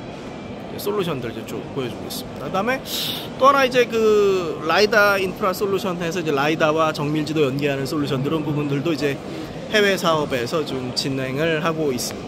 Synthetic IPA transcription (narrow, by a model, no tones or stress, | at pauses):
jḛs͈ʰoɭːuɕʰʌndɯɭid͡ʑet͡ɕompojʌd͡ʑoɡes͈ɯ̥mɲidakɯdame̞t͈oɦanaid͡ʑe̞kɯlaidainpʰɯɾas͈oɭːuɕʰʌne̞sʰʌid͡ʑe̞laidawat͡ɕʌŋmuɭd͡ʑidojʌnɡiɦanɯns͈ʰoɭːuɕʰʌnɡɯɾɯnpubundɯɭdoid͡ʑe̞ | he̞we̞sʰaʌbe̞sʰʌt͡ɕomt͡ɕinɦe̞ŋɯɭɦaɡois͈ɯmɲida